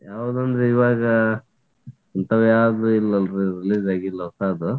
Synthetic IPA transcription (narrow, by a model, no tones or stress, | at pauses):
jaːʋud̪uɐnd̪ɾeiʋaːɡɐ | ɐnt̪ɐʋjaːd̪ɾuilːɐnɾeɾiliːd͡ʒaːɡilːɐʋsaːd̪u